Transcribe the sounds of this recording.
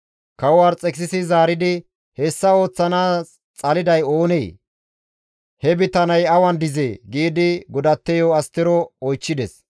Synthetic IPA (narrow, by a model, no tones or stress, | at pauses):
kɐwwaːɾt͡sʼɛksɪsɪzaːɾɪd̪ɪ | hɛsːɐo̞ːt͡sːɐnaː | t͡sʼɐlɪd̪ɐjo̞ːnej | hɛbɪt̪ɐnɐjɐwɐnd̪ɪzɛɡiːd̪ɪɡɔd̪ɐt̪ːɛjɔːɐst̪ːɪɾɔɔjt͡ʃːɪd̪ɛs